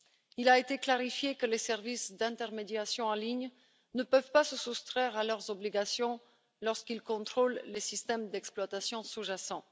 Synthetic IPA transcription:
ilaet̪eklaʁifjekəlesɛʁvisd̪ɛ̃t̪ɛʁmed̪jasjɔ̃ɑ̃liɲ | nəpœvpasəsust̪χɛʁalœʁzɔbliɡasjɔ̃ | lɔʁskilkɔ̃t̪χolːesist̪ɛmd̪ɛksplwat̪asjɔ̃suʒasɑ̃

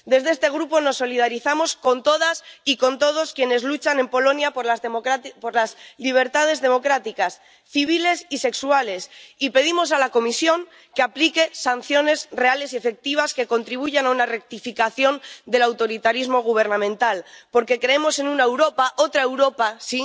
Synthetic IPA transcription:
d̪e̞zðest̪e̞ɣɾupo̞no̞sːo̞lið̞aɾiθamo̞sko̞nt̪o̞ð̞asiko̞nt̪o̞ð̞o̞skje̞ne̞zlut͡ʃane̞mpo̞lo̞njap | poɾlazliβ̞e̞ɾt̪að̞e̞zðe̞mo̞kɾat̪ikas | θiβ̞ile̞sise̞ksuale̞sipe̞ðimo̞salako̞misjo̞ŋ | keaplike̞san̟θjo̞ne̞sre̞ale̞sie̞fe̞k̚t̪iβ̞aske̞ko̞nt̪ɾiβ̞uʝanaunare̞k̚t̪ifikaθjo̞nd̪e̞lawt̪o̞ɾit̪aɾizmo̞ɣ̞uβ̞e̞ɾnãmẽnt̪alpo̞ɾke̞kɾe̞emo̞se̞nũnaewɾo̞paʔo̞t̪ɾaewɾo̞pasi

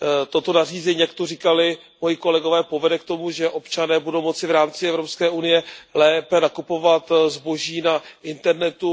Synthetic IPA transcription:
t̪o̞t̪o̞nariːzɛɲiːjak̚t̪oriːkalɪ | mojiko̞lɛɡo̞vɛːpo̞vɛdɛk̚t̪o̞muʒɛʔo̞pt͡ʃanɛːbudo̞wmo̞t͡sɪvɾaːmt͡sɪɛvɾo̞pskɛːʔunɪjɛlɛːpɛnakupo̞vat̪zbo̞ʒiːnaʔɪnt̪ɛɾnɛt̪u

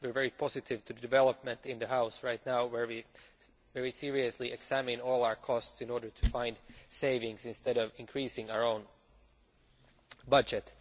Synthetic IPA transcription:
wɨɹvɛɹipʰɔzɨtɪvtʰɨdɨdɨvɛlˠəp̚mɨ̃ntɪ̃nðɨɦaʊsɹaɪtⁿnaʊwə˞wi | vɛɹisɪɹiɨsliʔɛɡ̥sæmɪ̃nɔːlˠaʊə˞kʰɔstsɨ̃nɔɹdə˞tʰɨfãɪ̃ndseɪvɪ̃ŋsɪ̃nst̪ɛɾʌvɪ̃nkʰɹ̥isɪ̃ŋaʊə˞õʊ̃n | bʌd͡ʒɨt

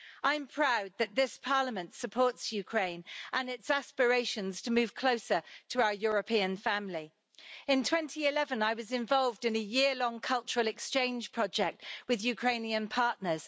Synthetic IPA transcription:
ʔãɪ̃mpʰɹ̥aʊd̪̚ðəʔ̪̚ðɪspʰɑːləmə̃ntsəpʰɔˑtsjʉkʰɹ̥ẽɪ̃nʔə̃nɪtsaspəɹeɪʃə̃nz̥tʰəmʉːv̥kʰl̥oʊsətʰəaʊəjɔːɹəpʰĩə̃nfãmli | ɪ̃ntʰw̥ɛ̃ntʰiɪlɛvə̃naɪwɒzɪ̃ɱvɒlˠvdɪ̃nəjɪəlɒ̃ŋkʰʌlˠt͡ʃəɹəlɛkst͡ʃẽɪ̃nʒ̥pʰɹ̥ɒd͡ʒɛk̚twɪðjʉkʰɹ̥ẽɪ̃niə̃npʰɑˑʔnəz̥

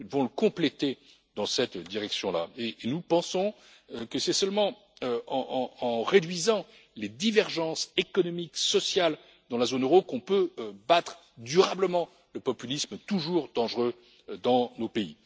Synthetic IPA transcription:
nud̪əvɔ̃ləkɔ̃plet̪e | d̪ɑ̃sɛt̪d̪iʁɛksjɔ̃la̰eːnupɑ̃sɔ̃ | kəsɛsœlmɑ̃ | ɑ̃ɑ̃ɑ̃ʁed̪ɥizɑ̃ | led̪ivɛʁʒɑ̃sekɔnɔmiksɔsjal | d̪ɑ̃lazonøʁokɔ̃pøøbat̪χ | d̪yʁabləmɑ̃ | ləpɔpylismət̪uʒuʁd̪ɑ̃ʒʁø | d̪ɑ̃nopeḭ

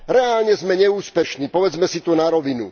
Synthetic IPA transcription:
ɾɛaːlɲɛzmɛɲɛuːspɛʃniːpɔʋɛd͡zmɛsit̪ɔnaɾɔʋinu

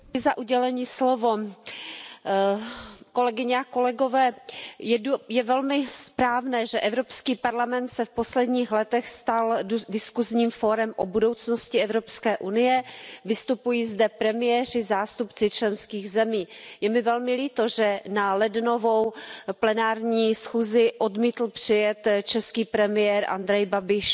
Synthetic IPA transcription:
ɪzaʔuɟɛlɛɲiːslovo̞ | ko̞lɛɡɪɲɛako̞lɛɡovɛːjɛjɛvɛlmɪspɾaːvnɛːʒɛʔɛvɾo̞pskiːpaɾlamɛnt̪sɛfpo̞slɛdɲiːxlɛt̪ɛxst̪aldɪskuzɲiːmfoɾɛmʔobudo̞wt͡snoscɪɛvɾo̞pskɛːʔunɪjɛvɪst̪upujiːzdɛpɾɛmɪjɛr̝ɪzaːst̪upt͡sɪt͡ʃlɛnskiːɣzɛmiːjɛmɪvɛlmɪliːt̪oʒɛnalɛdnovo̞wplɛnaːɾɲiːsxuːzɪʔo̞dmiːt̪l̩pr̥ɪjɛt̪t͡ʃɛskiːpɾɛmɪjɛɾʔa̰nd̪ɾɛjbabɪʃ

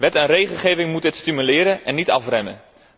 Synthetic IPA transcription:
ʋɛtɛnrejχəlˠχeːvɪŋmutɪtstimylɪːɾənɛnːitɑfrɛmə̰

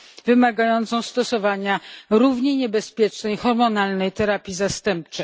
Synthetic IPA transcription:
vɘmaɡajɔnt̪sɔ̃w̃st̪ɔsɔvaɲaɾuvɲeɲɛbɛspʲjɛt͡ʂnɛjxɔɾmɔnalnɛjt̪ɛɾapʲjizast̪ɛmp̚t͡ʂɛj

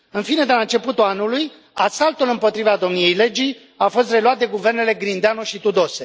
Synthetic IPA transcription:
ɨnfine̞d̪elaɨnt͡ʃe̞put̪ulanuluj | asalt̪ulɨmpo̞t̪ɾivad̪o̞mnije̞jle̞d͡ʒi | afo̞s̬t̪re̞luat̪̚d̪e̞ɡuve̞rne̞le̞ɡɾind̪eanoʃit̪ud̪o̞se̞

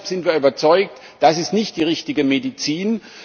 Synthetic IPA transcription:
pz̥ɪntv̥iːɐyːbɐt͡sɔʏk̚t | d̥asɪstnɪçt̚d̥iːʁɪçtɪɡəmedit͡siːn

